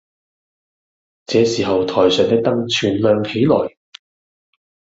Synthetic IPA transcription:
t͡sɛː˨˧siː˨ɦɐ˨wt̪ʰɔː˨˩jsœː˨˩ŋt̪ɪ˥k̚t̪ɐ˥ŋt͡ʃʰyː˨˩nlœː˨ŋhe˨˥jlɔː˨˩j

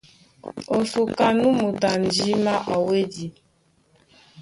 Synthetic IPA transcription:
o˨su˨ka˨nu˦mu˨ta˨n̩˨d͡ʒi˦ma˦ʔa˨we˦di˨

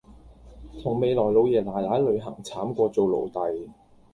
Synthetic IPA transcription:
t̪ʰʊ˨˩ŋme˨˧jlɔː˨˩jlo˨˧wjɛː˨˩laː˨˩jlaː˨˥jlɵ˨˧ɥɦɐ˨˩ŋt͡sʰaː˨˥mkʷɔː˧t͡so˨wlo̰˨˩wt̪ɐ˨j

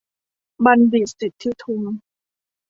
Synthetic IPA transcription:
ba˧nbi˨˩sːi˨˩t̪ʰːi˦˥t̪ʰu˧ŋ

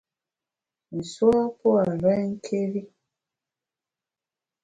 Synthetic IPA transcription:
n̩˨swa˦po˦a˨ɾa˦ŋ̩˦kʰe˦ɾi˦

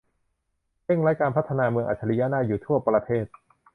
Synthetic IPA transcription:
ɾe˥˩ŋɾa˦˥jkaː˧npʰa˦˥t̪ʰːa˧naː˧mɯ˧əŋʔa̰ː˨˩t̪̚t͡ɕʰːa˧li˧˥ja˦˥naː˥˩juː˨˩t̪ʰu˥˩ɐpɾa˧t̪ʰeː˥˩t̪̚

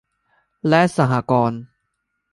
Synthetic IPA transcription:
lɛ˦sa˨ɦa˨kɔː˧n

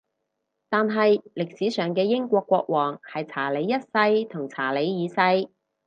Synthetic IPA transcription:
t̪aː˨nɦɐ˨jlɪ˨k̚siː˨˥sœː˨ŋkɛː˧jɪ˥ŋkʷɔː˧kːʷɔː˧k̚wɔː˨˩ŋhɐ˨jt͡sʰaː˨˩le˨˥jːɐ˥t̚sɐ˧jt̪ʰʊ˨˩ŋt͡sʰaː˨˩le˨˧˥jjiː˨˧sɐ˧j

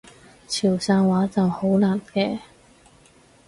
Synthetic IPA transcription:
t͡sʰiː˨˩wsaː˧nwaː˨˥t͡sɐ˨who˨˥wlaː˨˩nkɛː˧

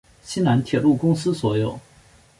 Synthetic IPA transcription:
ɕi˥na˧˥nt̪ʰjɛ˨˩lu˥˩kʊ˥ŋsɹ̩˥swɔ˧˥jo˨˩ʊ

